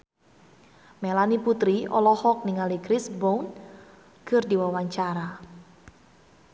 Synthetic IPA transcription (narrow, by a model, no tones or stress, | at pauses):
melaniput̪ɾiʔɔ̰lɔhɔk̚niŋalikɾɪsbown | kɨrdiwawaɲt͡ʃaɾa